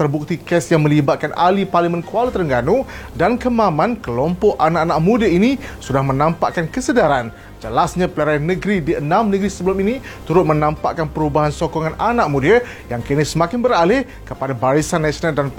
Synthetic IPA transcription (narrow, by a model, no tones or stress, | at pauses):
t̪ərbuk̚t̪ikɛsjaŋmə̃libat̪̚kanʔa̰liparlimənkualit̪əɾəŋɡanudankəmamãnkəlɔmpɔʔanaʔanaʔmudəinisudahmənãmpa̰ʔkankəsədaɾan | d͡ʒəlasɲãpəlaɾajanəɡɾidiənãmnəɡɾisəbəlʊmini | t̪uɾʊt̪̚mənãmpa̰ʔkanpəɾubaɦansokɔŋãnanaʔ̚mũdiə | jaŋkənɪsəmakɪnbəɾalɪh | kəpadabaɾisanːasionaldan